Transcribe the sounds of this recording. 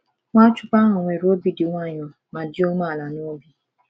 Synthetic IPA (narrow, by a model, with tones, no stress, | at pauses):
ŋʷa˦t͡ʃʊ˦pa˦ɦʊ˨ŋʷe˨ɾo˦bi˦dɪ˨ŋʷa˦˨ɲɔ˨ | ma˨dɪ˦o˦ma˦˨la˨no˦o˦bi˦